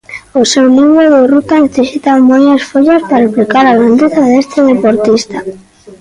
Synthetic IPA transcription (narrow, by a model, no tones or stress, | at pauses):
osewnĩŋɡoðɪrut̪aneθesit̪amojasfoʎaspaɾeplikaɾaɣɾand̪eθaðest̪eðepoɾt̪ist̪a